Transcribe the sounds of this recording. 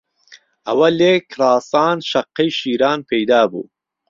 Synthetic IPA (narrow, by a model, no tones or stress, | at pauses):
ɐwɐleːkɾɑːsɑːnʃɐqːɐjʃiːɾɑːnpʰejd̪ɑːbṵː